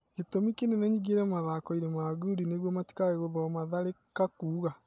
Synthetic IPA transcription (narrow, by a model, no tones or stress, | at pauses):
ketomikenenɛɲiɣeɾɛmaðakɔiɾemaːɣuɾineɣwɔmati̥kaɣeɣoðɔmaðaɾekakuːɣa